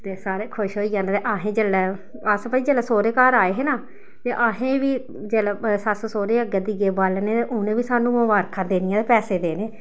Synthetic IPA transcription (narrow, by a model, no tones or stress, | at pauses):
t̪eːsaːɾeːkʰʊʃɦoːiːjãːnːt̪eːʔaːɦẽːd͡ʒeːlɛː | əspaːiːd͡ʒɛːlɛːsoːɾeːkaːɾaːeːɦɛːnaː | t̪eːʔaɦẽːʋiː | d͡ʒeːlɛːsassoːɾeːəɡəd̪iɡeːbaːlneːt̪eʔʊnẽːʋiːsaːnũːməʋaːɾkʰãːd̪eːnɪjãːt̪eːpɛːseːd̪eːneː